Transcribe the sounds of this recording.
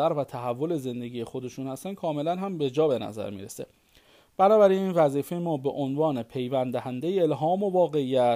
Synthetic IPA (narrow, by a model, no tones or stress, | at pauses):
æɾvæt̪ʰæɦævːo̞le̞ze̞nd̪e̞ɡiːje̞xo̞d̪e̞ʃuːnhæst̪ænkʰɒːme̞lænɦæmbe̞d͡ʒɒːbe̞næ̰zæ̰ɾmḭɾe̞̰se | b̥ænɒːbæɾiniːnvæziːfejemɒːbeʔonvɒːnepʰe̞jvænd̪æhænd̪e̞jeelɦɒːmovɒːɣe̞ijæ